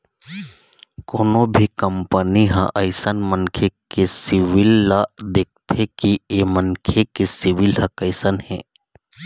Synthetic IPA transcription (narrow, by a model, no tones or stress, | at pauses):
koːnobʱikəmpəniɦãʔɐɪsənmənkʰekesɪʋɪlːad̪eːk̚t̪ʰekiemənkʰekesɪʋɪlhɐkəɪsənɦɛ̰̃ː